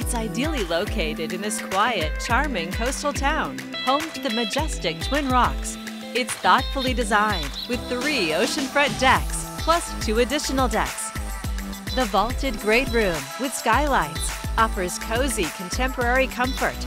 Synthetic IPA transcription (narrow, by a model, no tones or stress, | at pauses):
ɨtsaɪdil̩ˠiloʊkʰeɪɾɨɾɨ̃nðɪskʰw̥aɪɨt̚t͡ʃʰɑɹmɪ̃ŋkʰoʊstl̩ˠtʰãʊ̃n | hõʊ̃mtʰɨðɨmɨd͡ʒɛstɨk̚tʰw̥ɪ̃nɹɑks | ɨtsθɔtfl̩ˠidɨzãɪ̃nd̚wɨð̥θɹioʊʃɨ̃nfɹʌ̃nd̥ɛks | pʰl̥ʌstʰʉɨdɪʃɨn̩l̩ˠdɛ̰ks | ðɨvɔlˠtʰɨd̚ɡɹeɪt̚ɹʉ̃mwɨð̥skaɪlaɪtsʔɑfə˞z̥kʰoʊzikʰɨ̃n̩tʰɛ̃mpə˞ɛɹikʰʌ̃ɱfə̰˞t̚